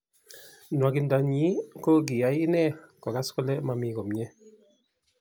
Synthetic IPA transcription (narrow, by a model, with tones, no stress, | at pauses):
n˨a˨ɡi˨nda˨ɲi˦ko˦ɡi˨a˨˦ji˦nɛ˦˨kɔ˨ɡa˦skɔ˦lɛ˦ma˨mi˨˦ɡɔ˨mɲɛ˦